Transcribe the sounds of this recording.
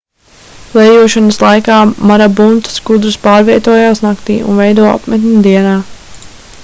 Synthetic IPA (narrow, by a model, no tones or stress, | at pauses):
lɛjuɔʃanaslˠajkaːmaɾabunt̪sɡud̪ɾuspaːɾviɛt̪uɔjaːsnakt̪ḭːṵnvɛjd̪uɔa̰pmɛt̪ʲnʲud̪iɛnaː